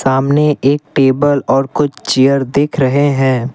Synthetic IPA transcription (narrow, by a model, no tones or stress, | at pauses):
saːmneʔeːk̚ʈeːbəlɔːɾkʊt͡ʃʰt͡ʃɪjəɾd̪eːkʰɾɐɦeɦɛ̃ː